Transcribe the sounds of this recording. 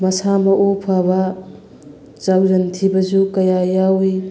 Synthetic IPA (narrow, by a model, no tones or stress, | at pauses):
mɐsamɐʔopʰabɐ | t͡ʃawzɐntʰibɐzukɐjajawi